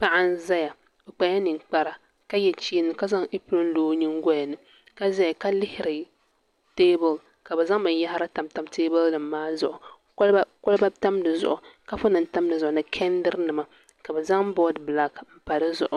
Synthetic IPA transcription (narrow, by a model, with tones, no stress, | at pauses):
pa˦ʔa˦n˦za˦ja˨ | bɛ˨k͡pa˨ja˦nɨ˨ŋk͡pa˦ɾa˨ | ka˦jɛ˨t͡ʃiː˦nɨ˨ka˦za˦ŋi˦plɨ˦n˦loː˦ɲi˦ŋ˦ɡɔ˦ja˨nɨ˨ | ka˦za˦ja˨ka˦lɪ˦hɪ˦ɾɨ˨ | teː˦bʊ˨l | ka˨bɛ˨za˦ŋmɨ˨˦ja˦hɾa˦ta˨mta˨mteː˦bʊ˦lnɨ˨mː˦aː˦zʊ˨ʔʊ˨˦ | ko˦lba˦ta˦mnɨ˨zʊ̰˨ʔʊ˨ka˦fʊ˦nɨ˨n˦ta˦mnɨ˨zʊ˨ʔʊ˨nɨ˨kʰɛ˦n˦dɨ˦ɾnɨ˨ma˨ | ka˨bɛ˨za˦ŋ˦bɔ˦dbla˦km̩˦pa˨ɾɨ˦zʊ̰˨ʔʊ˨